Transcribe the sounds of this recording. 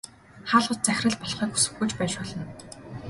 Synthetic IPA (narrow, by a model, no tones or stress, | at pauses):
χaːɮʁʊ̆t̪̚t͡sæxʲrə̆ɮpɔɮχiːku̥sɘ̆xɡujt͡ɕpæːt͡ɕpʊːɮə̆n